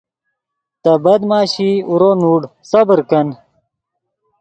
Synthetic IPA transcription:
t̪ɐbɐd̪maːɕiuɾoːnuːɽsɐbɾkɐn

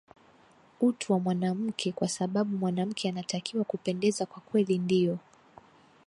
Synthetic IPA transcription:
utuwamwanam̩kʰɛkwasaɓaɓumwanam̩kʰɛanatakʰiwakupɛndɛzakwakwɛlindijɔ

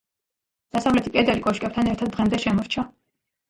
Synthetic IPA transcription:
d̪̥asavlɛt̪ʰikʼɛd̪ɛlikʼɔʃkʼɛp̚t̪ʰanɛɾt̪ʰad̪̚ːʁɛmd̪ɛʃɛmɔɾt͡ʃʰa

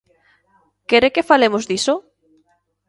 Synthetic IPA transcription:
keɾekefalemozd̪iso

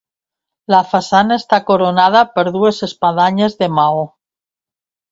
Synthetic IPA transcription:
lafasanaest̪akoɾonað̞apeɾðuesespaðaɲezðemao

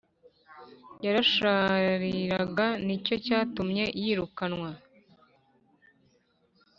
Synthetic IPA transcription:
jaɾaʃaːɾiɾaɡanico̞caːtumɲe̞ʔjiːɾukanwa

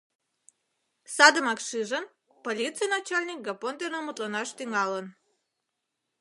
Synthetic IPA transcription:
sɑd̪əmɑkʃɨʒən | polʲit̪t͡sɨjnɑt͡ɕalʲnʲik̚ɡapont̪ʲenomut̪lənɑʃt̪yŋɑlən

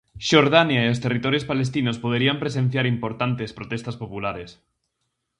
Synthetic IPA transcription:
ʃoɾðanjaiost̪erit̪oɾjospalest̪inospoð̞eɾiampɾesenθjaɾimpoɾt̪ant̪espɾot̪est̪aspopulaɾes

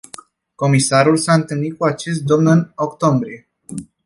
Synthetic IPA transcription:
ko̞misaɾulsaɨnt̪ɨlnit̪̚kuat͡ʃe̞s̬t̪̚d̪o̞mnɨno̞kt̪o̞mbɾie̞

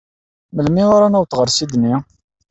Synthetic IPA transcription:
məlmiʊɾanuwθʁəɾsid̪ni

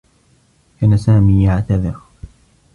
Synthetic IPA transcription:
kaːnasaːmiːjaʕt̪aðɪɾ

